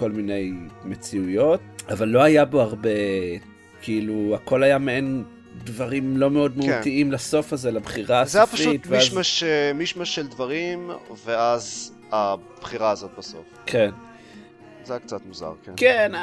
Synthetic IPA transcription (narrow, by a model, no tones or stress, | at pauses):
ko̞lmine̞jme̞t͡siujo̞t̚avalːo̞ajaboaʁbe̞ | kʰiiluako̞lajameen | dvaʁimlo̞me̞o̞dmeuttiimlaso̞fazelabχiʁaazsajafaʃut̪veiazmaʃemiʃmaʃeld̪vaʁimveaz | a | b̥χiʁaːzot̪̚baso̞̰f | kʰen | zejakt͡sat̪muza̰ʁkenken